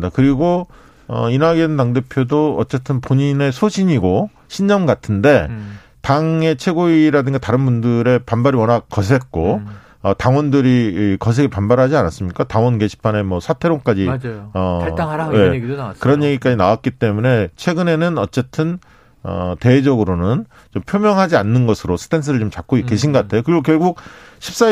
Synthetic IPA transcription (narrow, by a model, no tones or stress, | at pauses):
dakɯɾiɡo | ʌ̰inaɡeɯntaŋde̞pʰjodoʌ̰t͡ɕ͈e̞t͈ʰɯnpoɲine̞sʰoɕʰiɲiɡo | ɕʰinɲʌmɡatʰɯnde̞ | taŋe̞t͡ɕʰwe̞ɡoiɾadɯŋɡataɾɯnbundɯɾe̞panbaɾiwʌnɦak̚kʌsʰe̞k͈o | ʌtaŋwʌndɯɾikʌs̬ʰe̞ɡepanbaɾɦad͡ʑianas͈ɯmɲik͈ataŋwʌnɡe̞ɕʰi̥pʰane̞mwʌsʰatʰe̞ɾoŋk͈ad͡ʑiaʌajekɯɾʌnje̞ɡik͈ad͡ʑinawat̚k͈it͈e̞mune̞t͡ɕʰwe̞ɡɯne̞nɯnʌt͡ɕ͈e̞tʰɯn | ʌ̰te̞ed͡ʑʌɡɯɾonɯn | t͡ɕompʰjomjʌŋɦad͡ʑianːɯnɡʌsʰɯɾosʰɯ̥tʰens̬ʰɯɾɯɭt͡ɕomt͡ɕak͈̚oik͈e̞ɕʰinɡʌkatʰe̞jokɯɾiɡok̬jʌɭɡuk̚ɕʰi̥p̚s͈a